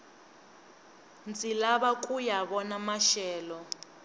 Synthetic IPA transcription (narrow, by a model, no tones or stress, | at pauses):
nt͡sʼilaɓakʼujaβɔnamaʃɛːlɔ